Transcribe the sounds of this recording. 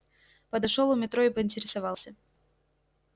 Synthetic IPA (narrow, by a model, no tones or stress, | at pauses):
pəd̪ɐʂolˠʊmʲɪt̪ɾoɪpəɪnʲtʲɪɾʲɪsɐvɑlˠsʲə